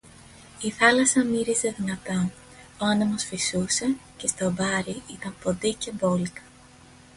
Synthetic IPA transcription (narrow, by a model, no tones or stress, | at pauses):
iθɐlɐsɐmiɾize̞ðinɐt̪o | oɐnemosfisuse̞ce̞st̪o̞bɐɾiit̪ɐmpo̞d̪ice̞bo̞likɐ̥